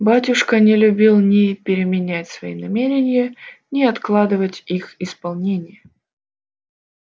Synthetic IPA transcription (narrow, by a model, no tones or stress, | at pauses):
batʲʊʂkənʲɪlʲʊbʲilˠnʲɪpʲɪɾʲɪmʲɪnʲætʲsvɐinɐmʲeɾʲɪnʲɪjənʲɪɐt̪klˠad̪ɨvətʲixɪspɐlˠnʲenʲɪjə